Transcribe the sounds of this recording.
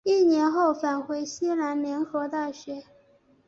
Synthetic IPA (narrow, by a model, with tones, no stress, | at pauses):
i˥˩njɛ˧˥nxo˥˩ʊfa˨˩nxwe˧˥ɪɕi˥la˧˥nljɛ˧˥nxɤ˧˥t̪a˥˩ɕɥɛ˧˥